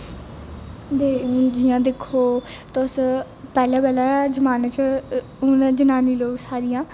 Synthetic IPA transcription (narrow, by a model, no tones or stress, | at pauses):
d̪eːũd͡ʒɪjãːd̪ekʰːoːt̪os | pɛːlãːpɛːlad͡ʒəmaːnẽt͡ʃ | ʊnːd͡ʒənaːniːloːɡsaːɾɪjãː